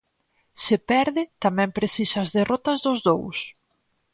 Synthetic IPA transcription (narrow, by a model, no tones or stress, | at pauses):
sɪpɛɾðɪt̪amɛ̃mpɾesisaazðerɔt̪ɐzðʊzðows